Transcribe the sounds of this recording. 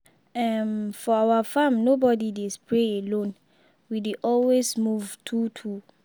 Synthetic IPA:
ɛmfɔawafãmnobɔdidespʰɹeelõn | wideʔɔlwesmuvtʰutʰu

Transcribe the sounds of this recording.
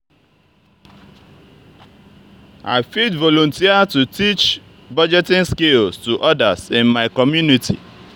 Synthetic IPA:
a̰ɪfitvɔlõntiatutit͡ʃ | bɔd͡ʒɛtɪ̃nskelstuʔɔdasɪ̃nmaɪkɔmjunitḭ

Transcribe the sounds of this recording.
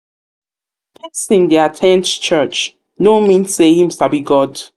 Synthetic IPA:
pʰisɪ̃ndiatʰɛ̃nt͡ʃt͡ʃɜt͡ʃ | nomĩnsehĩmsabiɡɔd

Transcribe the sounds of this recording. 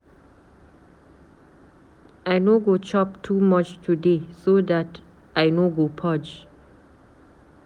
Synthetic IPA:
aɪnoɡot͡ʃɔp̚tʰumʌt͡ʃtʰudesod̪æt | ʔaɪnoɡopʰɔd͡ʒ

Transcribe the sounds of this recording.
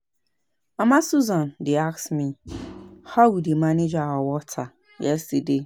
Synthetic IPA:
ɔmãsuzãndɪaksmĩ | hawudemãnẽd͡ʒaɔwɔtʰa | jɛstede

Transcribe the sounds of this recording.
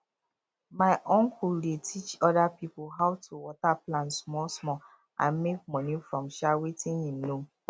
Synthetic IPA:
maɪʔɔ̃ŋkuldetʰit͡ʃɔdapipuɦaʊwtʰuwɔtaplãntsmɔlsmɔ | ʔã̰nmek̚mɔnifɹɔ̃mʃawetĩnhĩmnõ

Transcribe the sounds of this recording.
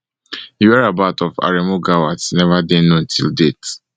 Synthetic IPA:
iwɛɹabatɔva̰ɹemoɡawatnɛvadẽnõtʰḭldet

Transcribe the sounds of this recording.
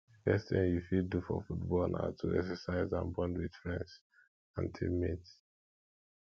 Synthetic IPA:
fɛstθḭ̃ŋjufiddufɔ̰futbɔlna̰tʰuɛksəsaɪzã̰nbɔ̃ndwid̥fɹɛ̃ns | ãntʰḭmit

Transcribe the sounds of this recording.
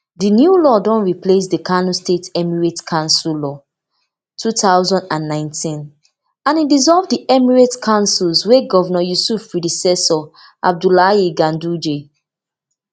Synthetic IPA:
dinjulɔdɔ̃nɹiples̬dəkʰanũstetɛmiɹetkʰãnsullɔ | tʰutʰaʊzɔ̃ndãnːãɪ̃ntʰĩn | ãnidizɔlvdiʔɛmiɹetkʰãʊ̃nsulsweɡɔvɔnɔjusufpɹidisɛsɔ | ʔa̰b̚dulaiɡãndud͡ʒe

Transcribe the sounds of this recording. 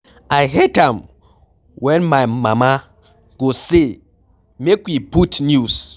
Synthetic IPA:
ajɦɛdãm | wɛ̃nmajmãma | ɡ̥ose | mekwiputnjus

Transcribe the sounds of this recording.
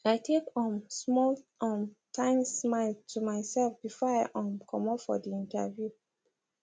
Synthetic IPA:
aɪtʰekɔ̃msmɔlɔ̃mtʰãɪ̃nsmaɪltʰumaɪsɛlfb̥ifɔaɪʔɔ̃mkʰɔ̃mɔpfɔ̰diĩnta̰vju

